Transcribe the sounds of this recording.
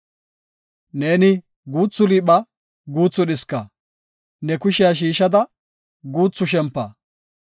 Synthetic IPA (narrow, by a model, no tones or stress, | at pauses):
ne̞ːnɪ | ɡuːt͡sːʊliːɓɐ | ɡuːt͡sːʊɗɪskɐ | nɛkʊʃɪjaʃ̬iːʃɐd̪ɐ | ɡuːt͡sːʊʃ̬ɛmpːɐ̰